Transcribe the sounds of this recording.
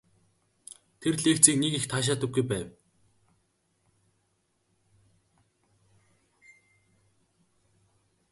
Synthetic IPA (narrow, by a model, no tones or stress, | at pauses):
t̪ʰerɮeːkt͡siːknekixt̪ʰaːʃ̬aːt̪ə̆k̚ɡujpæːw